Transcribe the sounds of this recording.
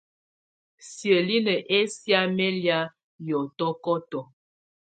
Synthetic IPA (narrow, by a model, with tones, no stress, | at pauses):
sjə˨li˦nə˨ʔe˦sja˦mɛ˦lja˦ | jɔ˨tɔ˦kɔ˦tɔ˨